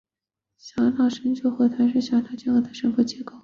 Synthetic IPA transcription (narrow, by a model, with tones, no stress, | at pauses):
ɕjɑ˧˥ŋnʰɑ˨˩ʊʂə˧˥ŋt͡ɕʰo˧˥xwɔ˥˩t̪ʰa˧˥nʂ̬ɻ̩˥˩ɕjɑ˧˥t̪ʰɑ˥˩ʊt͡ɕɛ˥ŋɤ˥˩d̪ə˩ʂə˧˥nfu˥˩t͡ɕjɛ˧˥ko˥˩ʊ